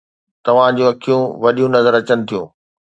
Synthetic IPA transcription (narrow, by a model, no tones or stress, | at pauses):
t̪ɐʋ̤ãd͡ʑũɐkʰijũʋɐɗijũnɐzəɾɐt͡ɕənɪt̪ʰijũː